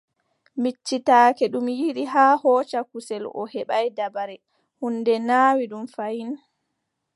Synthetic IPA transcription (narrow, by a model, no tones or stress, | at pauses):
mit͡ʃːitaːkɛɗumjiɗiɦaːhɔːt͡ʃakusɛlʔɔ̰hɛɓajdabaɾɛ | hundɛnaːwiɗumfajin